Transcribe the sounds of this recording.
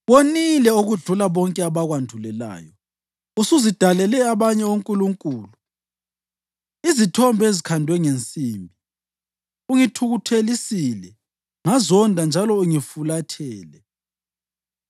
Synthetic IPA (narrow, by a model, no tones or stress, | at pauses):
βonilɛuɣuɮulaβɔŋkʼɛaβaɣwandʱulɛla̰ːjɔ | usuzid̥ʱalɛlɛaβaɲɛuŋkʼuluŋkʼuːlu | izitʰɔmbʱɔezikʰandʱwɛŋent͡sʼiːmbʱi | uŋitʰuɣutʰelisilɛ | ŋazɔndʱand͡ʒʱalɔuŋifulatʰɛːlɛ